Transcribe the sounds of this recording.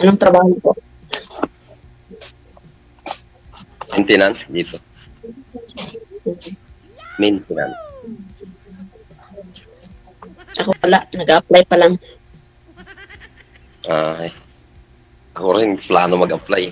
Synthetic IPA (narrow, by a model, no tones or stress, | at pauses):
ʔɐnoŋt̪ɾɐbaːhopo | ment̪ɛnansd̪iːt̪o | ment̪ɪna̰ns | ʔɐkowɐlaʔnɐɡaʔplajpɐlaŋ | ʔa | ʔɐkoɾɪnplaːnomɐɡʔɐplaj